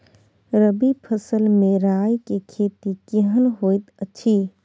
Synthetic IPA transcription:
ɾəbipʰəsəlmeɾajkekʰet̪ikeɦənɦojt̪ət͡ʃʰi

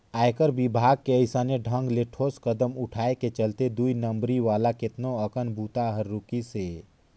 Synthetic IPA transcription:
aːekəɾbɪbʱaːɡ̚keəɪsəneɖʱə̃ŋɡleʈʰoːskəd̪əmʊʈʰaːeket͡ʃəlt̪ed̪uinə̃mbɾiʋaːlakɪt̪noəkənbʱuːt̪aɦəɾːukiseː

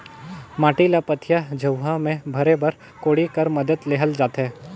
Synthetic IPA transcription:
maːʈilapət̪ʰjad͡ʒʱɐwɦamẽbʱɐɾebɐɾ | koːɽikɐɾmɐd̪əd̪leːɦəld͡ʒaːt̪ɦɛː

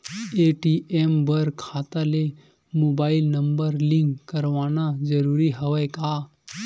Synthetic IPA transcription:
eʈiʔembəɾkʰat̪ale | mobailnəmbəɾliŋkkːəɾʋañad͡zəɾuɾiːɦəʋəjka

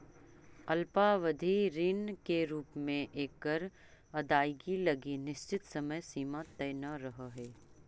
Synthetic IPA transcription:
ɐlpaʋəd̪ʱiɾiːnkeɾuːpmẽʔeːkːəɾ | ɐd̪aːjɡilɐɡinɪʃt͡ʃɪt̪sɐməjsiːmat̪əjnəɾɐɦəɦɛː

